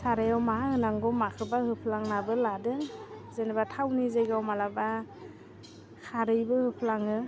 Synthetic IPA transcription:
saɾejawmaahɯnaŋɡɔmakʰɯbahɯpʰlaŋnabɯladɯŋzenabatʰawnizejɡawmalaba | kʰaɾɯjbɯhɯpʰlaŋɯ

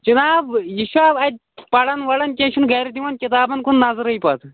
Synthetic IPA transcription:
d͡ʒɐnaːbjiʃuaːbɐd̪̚ʲ | pɐɽɐnʋɐlɐnkʲẽːʃʰunɡɛːɾid̪iʋɐnkʲit̪aːbɐnkunːazɐɾɐipɐt̪

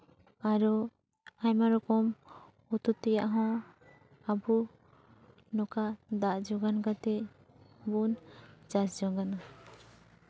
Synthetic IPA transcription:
aɾɔ | ajmaɾɔkɔm | ut̪ut̪ːɛja̰ʔɦɔ̃ | abu | nɔkad̪aʔd͡ʒɔɡanɡat̪ɛ | bund͡ʒasd͡ʒɔŋɡana

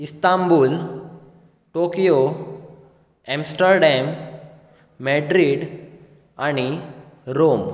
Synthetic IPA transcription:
ist̪ambuːl | ʈokijo | ɛ̃msʈəɾɖɛmː | eɖɾiɖ | aɽ̃i | ɾom

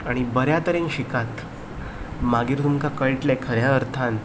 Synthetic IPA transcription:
aɽ̃ibəɾjat̪əɾenɕikat̪ | maɡiːɾt̪umkakəɭʈlekʰəɾjaəɾt̪ʰan

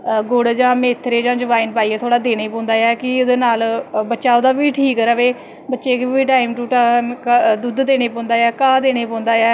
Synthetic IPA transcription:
ɡʊɽd͡ʒãːmeːt̪ʰːɾeːd͡ʒãːd͡ʒəʋaːinpaːiːɛːt̪ʰoːɽaːd̪eːñeːpõːnd̪aːjɛːkɪʊd̪eːnaːlbətːʃaːod̪aːʋiːʈʰiːkɾəʋeː | bətːʃeːkːiːʈaːɪmʈuːʈakd̪ʊd̪d̪eːɽ̃eːpɔ̃ːnd̪aːjɛːkaːd̪eːñeːpɔ̃ːnd̪aːɛː

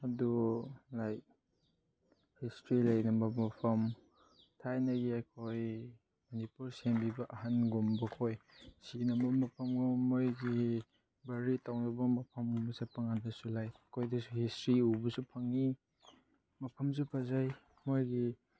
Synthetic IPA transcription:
adulaj | histɾilajnɐmbɐmɐpʰɐm | tʰajnɐɡiajkʰoj | mɐnipuɾsembibɐʔaɦanɡumbɐkʰojsinɐmɐmɐpʰɐmɡumojɡi | bɐɾitawnɐbɐmɐpʰɐmubɐsepʰaŋandasulajkʰojdɐsuhistɾiubɐsupʰaŋi | mɐpʰɐms̬upʰazaj | mojɡi

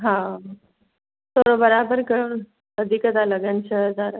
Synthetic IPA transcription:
ɦã | t̪oɾobəɾabəɾkəɭu | əd̪ʱikəd̪aləɡənɕəd̪aɾə

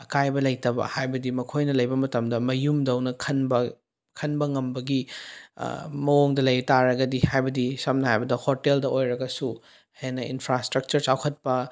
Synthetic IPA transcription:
ɐkajbɐlɐjtɐbɐ̰hajbɐdimɐkʰojnɐlɐjbɐmɐtɐmdɐmɐjumdɐwnɐkʰɐnbɐ | kʰɐnbɐŋɐmbɐɡḭ | mɐoŋdɐlɐjtaɾɐɡɐdihajbɐdisɐmnɐhajbɐdɐhoteldɐojɾɐɡɐsu | henɐʔinpʰɾastɾɐk̚t͡ʃɐɾt͡ʃawkʰɐt̚pɐ

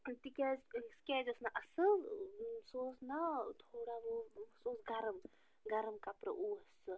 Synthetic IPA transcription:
t̪ikeskeːd͡ʒəsnaʔɐsɨ | soːsnat̪ʰoːɽaʋosoːsɡɐɾəm | ɡɐɾəmkapɾɐ̰ʔuəsɨ

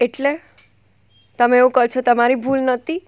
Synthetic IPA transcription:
eʈle | t̪əmẽeʋũkət͡ʃʰot̪əmaɾibʱulnət̪ʰi

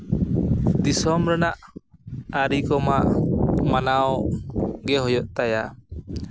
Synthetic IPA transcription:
d̪isɔmɾɛnaʔ | aɾikɔmaʔmanaw | ɡɛɦɔjɔʔt̪aja

